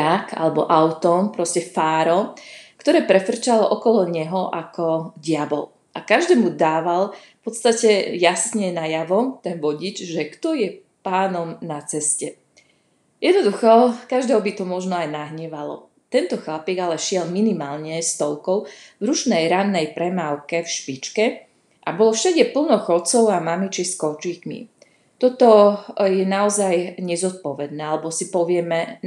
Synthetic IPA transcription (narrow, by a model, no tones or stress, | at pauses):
aka̰lɛbɔ̰ʔaʊt̪ɔpɾɔscɛfaːɾɔkt̪ɔɾɛːpɾɛfr̩t͡ʃalɔʔɔkɔlɔɲɛɦɔʔakʰɔɟɪabɔ̰l | ʔakaʒd̪ɛːmud̪aːʋalfpɔt̪st̪acɛjasɲɛnajaʋɔt̪ɛnʋɔɟid͡ʒʒɛkt̪ɔjɛ | paːnɔmnat͡sɛscɛ | jɛd̪nɔd̪uxɔkaʒd̪ɛːɦɔbit̪ɔmɔʒnɔajnaɦɲɛʋalɔ̰ | t̪ɛnt̪ɔxlapiɡalɛʃɪɛlminimaːlɲɛst̪ɔlkɔʊvɾut͡ʃnɛjɾanːɛjpɾɛmawkɛfʃpit͡ʃkɛ | ʔabɔlɔfʃaɟɛpl̩nɔxɔt͡sɔʊamamit͡ʃiskɔt͡ʃiːkmḭ | t̪ɔt̪ɔjɛnaɔzajɲɛzɔt̪̚pɔʋɛd̪̚nɛːalɛbɔsipɔʋɪɛmɛ